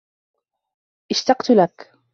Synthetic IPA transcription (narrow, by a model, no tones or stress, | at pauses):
ʔɪʃt̪ɑqt̪ʊlak